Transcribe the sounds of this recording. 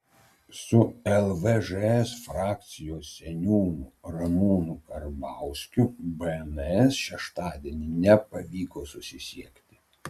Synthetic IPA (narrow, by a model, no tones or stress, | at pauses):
sʊɛlˠʋɛʒɛɛsfɾɑːk̚t̪sʲɪjoːsʲɛnʲuːnʊɾɐmuːnʊkɐɾbɑˑʊsʲkʲʊbɛɛnɛsʃʲɛʃt̪ɑːd̪ʲiɛnʲɪnʲɛpɐʋʲiːkoːsʊsʲɪsʲiɛkt̪ʲɪ̥